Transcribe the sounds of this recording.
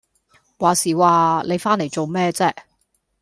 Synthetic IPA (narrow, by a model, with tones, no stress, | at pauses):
waː˨˩siː˨˩waː˨le˨˧jfaː˥nle˨˩jt͡so˨wmɛː˥t͡sɛː˥